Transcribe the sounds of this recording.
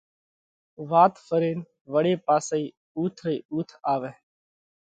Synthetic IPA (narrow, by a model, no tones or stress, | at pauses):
ʋaːt̪fəɾeːn | ʋəɽeːpaːsiː | uːt̪ʰɾəiːʔuːt̪ʰaːʋẽː